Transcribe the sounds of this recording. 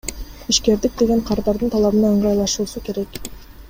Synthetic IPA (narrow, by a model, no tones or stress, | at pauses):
iʃke̞ɾd̪ik̚d̪e̞ɡʲe̞ɴqʰɑɾd̪ɑɾd̪ɯnt̪ʰɑlˠɑβɯnɑɯɴʁɑjlˠɑʃuːsukʲe̞ɾe̞k